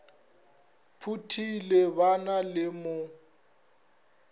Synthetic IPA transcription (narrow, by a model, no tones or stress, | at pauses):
pʰutʰilebanalɪmʊ